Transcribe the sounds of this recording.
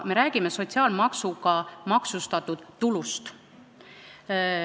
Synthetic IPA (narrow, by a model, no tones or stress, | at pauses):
me̞ɾæːɡ̥ime̞so̞t̪ʲsiɑːlmɑksuɡɑmɑksust̪ɑt̪ːˑud̪̥ːulust̪